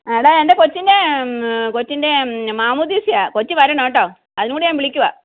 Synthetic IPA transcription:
eːɽaendekot͡ɕːinde | kot͡ɕːindemaːmud̪isijaːkot͡ɕːiʋɐɾenoːʈ̬ːaː | ɐðɪnɨkuːɽejãːmpiɭɪkʲːuʋa̰ː

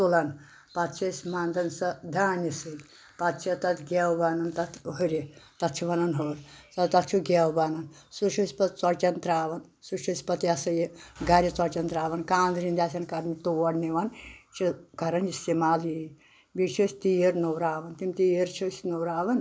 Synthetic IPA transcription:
t̪ulɐn | pɐt̪t͡ʃʰɐsʲmand̪ɐnsɐd̪ʱaːnisɨlʲ | pɐt̪t͡ʃʰɐt̪ɐt̪ʰɡʲɛwbanɐnt̪ɐt̪ʰɦuɾʲit̪ɐt̪t͡ʃʰiʋɐnɐnɦoːlsɐt̪ɐt̪̚t͡ʃʰuɡʲɛwbɐnɐn | sut͡ʃʰusʲpɐt̪t͡sɐt͡ʃɐnt̪ɾaːʋɐn | sut͡ʃʰusʲpɐt̪ijɐsɐjeɡaɾʲit͡sɐɾt͡ʃɐnt̪ɾaːʋɐnkaːnd̪ɾind̪ʲaːs̬ʲɐnkɐɾnit̪oɐɽniʋɐnt͡ʃʰikɐɾɐnd͡ʒisimaːli | bit͡ʃʰusʲt̪ijeɾnowɾaːʋɐnt̪imʲt̪ieɾt͡ʃʰusʲnowɾaːʋɐn

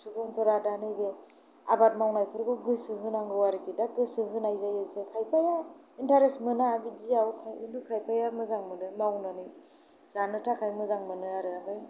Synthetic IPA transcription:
sukɯŋpʰɯɾadanɯjbe | abat̚mawnajpʰɯɾɡuɡɯsɯɦɯnaŋɡɯwaɾɯkidaɡɯsɯɦɯnajzajɯsekʰajpʰaja | intaɾesmɯnaːbidijawkʰajɯ̰ndɯkʰajpʰajamɯzaŋmɯnɯmawnani | zanɯtʰakʰajmɯzaŋmɯnɯaɾɯaaj

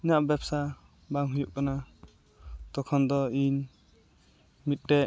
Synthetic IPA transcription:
inaʔbɛpsa | baŋɦujuʔ̚kana | t̪ɔkʰɔnd̪ɔin | mit̪̚ˀʈɛ

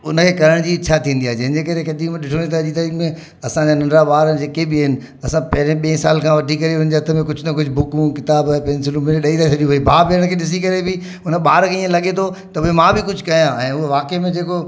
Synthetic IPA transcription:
ʊnə̆kʰeːkɐɾəɽ̃d͡ʑiɪt͡ɕʰat̪ʰĩːn̆d̪iaːed͡ʑɐ̃ɦɪ̃d͡ʑeːkɐɾekɐd̪imẽɗɪʈʰoɽ̃ĩt̪ʰad͡ʑiːt̪ɐɾiːkmẽ | ɐsãd͡ʑanɐ̃ɳɾaɓaːɾəd͡ʑeːkebɪɐɦɪnɪ̆ | ɐsãpɐɦɪɾeɓẽːsaːlkʰãʋɐʈʰikɐɾeʊnə̆d͡ʑeɦɐt̪ʰə̆mẽkʊd͡ʑʱʊt̪ɐkʊd͡ʑʱbʱʊkũkɪt̪aːbpɛnsɪlũmɪɾẽɗɐit̪at͡ɕʰɐɗiũʋɐibʱaːpeɾəɽ̃kʰeːɗɪs̬ikɐɾebɪ | ʊnəɓaːɾkʰeĩːẽlɐɠet̪ʰot̪ɐpoemãbɪkʊd͡ʑʱʊkɐijãɛ̃ːʊɦoʋaːkemẽd͡ʑeːko

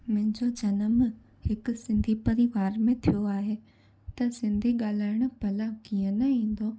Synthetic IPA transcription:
mɐ̃ɦɪ̃ɲd͡ʑod͡ʑɐnəm | hɪkʊ̆sɪ̃nd̪ʱipɐɾiʋaːɾmẽt̪ʰijoaːɦe | t̪ɐsɪ̃nd̪ʱiɠaːl̤aːɪɽ̃ʊ̆bʱɐlakijə̃nɐĩːn̆d̪oː

